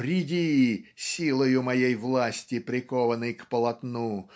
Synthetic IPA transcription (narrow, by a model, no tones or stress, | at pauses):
ɾʲɪdʲisʲilˠəjʊmɐjejvlˠasʲtʲɪpɾʲɪkɔvənɨjkpəlˠɐt̪nu